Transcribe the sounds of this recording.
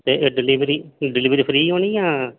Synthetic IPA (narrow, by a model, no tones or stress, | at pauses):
t̪eːɖɪliʋɾiːɖɪliːʋɾiːpʰɾiːoːniːjãː